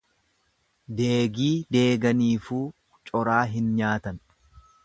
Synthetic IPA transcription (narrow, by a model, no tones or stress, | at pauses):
d̪eːɡiːd̪e̞ːɡɐniːfuː | t͡ʃʼɔɾaːɦɪnɲaːt̪ɐn